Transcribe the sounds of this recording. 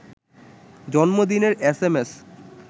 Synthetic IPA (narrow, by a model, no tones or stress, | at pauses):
d͡ʑɔnmod̪ineɾesemes